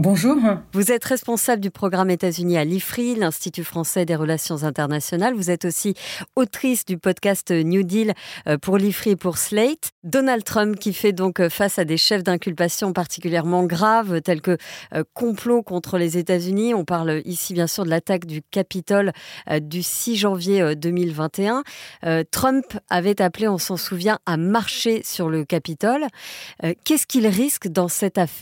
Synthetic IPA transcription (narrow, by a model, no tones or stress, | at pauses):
bɔ̃ʒuːʁvuzɛt̪ʁɛspɔ̃sabləd̪ypχɔɡʁamet̪azynialifχilɛ̃st̪it̪yfχɑ̃sɛd̪eʁəlasjɔ̃zɛ̃t̪ɛʁnasjɔnalvuzɛt̪osiot̪χisd̪ypɔd̪kast̪njud̪ilpuʁlifχipuʁslɛt̪d̪ɔnald̪̚t̪χœ̃mpkʲifɛd̪ɔ̃kfasad̪eʃɛfd̪ɛ̃kʲylpasjɔ̃paʁt̪i̥kʲyljɛʁmɑ̃ɡʁavt̪ɛlkəkɔ̃plokɔ̃t̪χəlezet̪azyniɔ̃paʁlʔisibjɛ̃syʁd̪əlat̪akd̪ykapit̪ɔld̪ysiʒɑ̃vjeød̪əmilvɛ̃t̪eɛ̃øt̪χœ̃mpavɛt̪apleɔ̃sɑ̃suvjɛ̃ʔamaʁʃesyʁləkapit̪ɔløkʲɛskʲilʁiskd̪ɑ̃sɛt̪af